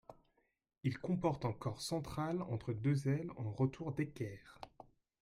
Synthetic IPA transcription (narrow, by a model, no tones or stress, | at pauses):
ilkɔ̃pɔʁt̪ɑ̃kɔʁsɑ̃t̪χalɑ̰̃t̪χəd̪øzɛlɑ̃ʁət̪ʰuʁd̪ekʲɛːʁ